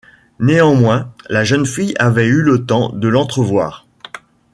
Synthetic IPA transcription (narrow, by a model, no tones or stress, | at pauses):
neɑ̃mwɛ̃laʒənfijavɛylət̪ɑ̃d̪əlɑ̃t̪χəvwaːʁ